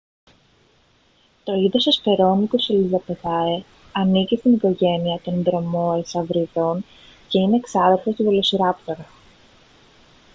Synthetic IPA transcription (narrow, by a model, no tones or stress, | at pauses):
t̪o̞iðosesfe̞ɾo̞nikoselizɐpe̞ðɐe | ɐnicist̪iniko̞ʝe̞niɐt̪o̞nðɾo̞mo̞esɐvɾiðo̞n | ce̞ine̞ːksɐðeɾfo̞st̪ivolo̞siɾɐpt̪o̞ɾɐ